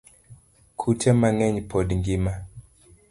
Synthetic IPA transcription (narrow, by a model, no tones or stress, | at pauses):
kʰutɛmaŋɛɲpʰɔɗŋɡima